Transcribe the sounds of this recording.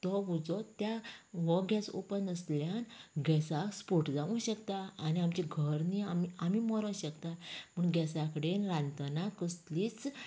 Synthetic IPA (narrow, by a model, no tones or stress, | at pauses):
t̪ɔʋud͡zɔt̪jaʋɔɡʱaso̰pənəsljanɡɛsakspoʈd͡zaʋũɕəkt̪aːniamt͡ɕiɡʱəɾniamiamimɔɾə̃ɕəkt̪amuɳɡʱɛsakəɽenɾãnt̪ənakəst̪liːt͡s